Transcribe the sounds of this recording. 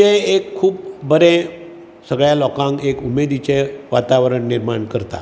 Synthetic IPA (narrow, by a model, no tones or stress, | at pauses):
eekʰːuːp̚bəɾẽ | səɡɭjalɔkãŋkekumed̪it͡ɕeʋat̪aʋəɾəɳniɾmaɳkəɾt̪a̰